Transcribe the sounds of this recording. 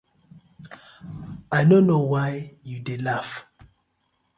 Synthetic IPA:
ajnõnowajjudelaf

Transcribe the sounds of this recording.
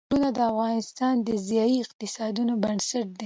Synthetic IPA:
unad̪əafɣɑnɪst̪ɑnd̪əzjɑiɪqt̪ɪsɑd̪unobansaʈ̚d̪e

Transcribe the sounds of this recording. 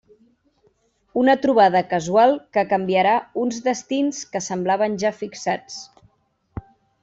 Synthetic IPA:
unət̪ɾuβ̞aðəkəzualˠkəkəmbiəɾaunzðəst̪inskəsəmblaβ̞ənʲʒafiksat͡s

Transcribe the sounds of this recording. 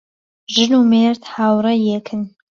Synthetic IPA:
ʒɨluːmeːɾt̪haːwrɐjekʰɨn

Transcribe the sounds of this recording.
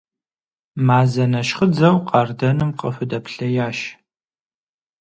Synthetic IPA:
maːzɐnɐʃχəd͡zɐwqɑrdɐnɨmqəfʷʊdɐpɬɐjaːʃ

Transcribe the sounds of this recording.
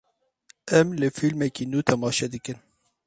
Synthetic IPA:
ɛmlɨfilmɛkiːnuːt̪ʰɛmɑːʃɛd̪ɨkɨn

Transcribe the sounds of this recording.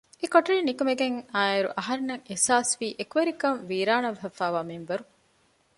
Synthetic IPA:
ekoʈɐɾiːnikɐmeɡeŋaːeɾṵʔɐɦɐɾenɐŋesaːsʋiːʔekuʋɐɾikɐmʋiːɾaːnɐʋɦɐfaːʋaːmimʋɐɾu

